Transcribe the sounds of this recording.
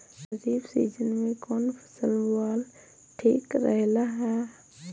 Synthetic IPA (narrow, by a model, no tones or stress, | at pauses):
əd͡ʒiːbsḭːd͡ʒənmẽkɔːnpʰə̥səlbʊaːl | ʈʰiːkɾəɦlaɦɛ